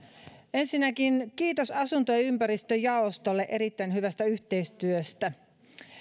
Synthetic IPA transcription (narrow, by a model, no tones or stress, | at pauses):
ensinːækinkiːt̪osɑsunt̪ojɑympæɾist̪øjɑost̪olːeʔe̞ɾit̪ːæinɦyʋæst̪æyçt̪eist̪yøst̪æ